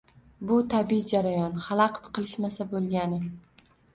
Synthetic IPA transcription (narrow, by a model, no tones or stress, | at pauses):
bʊt̪ʰabid͡ʒaɾajɒnχalˠɑqt̪qɨlˠɪʃmasabolˠɡʲanɪ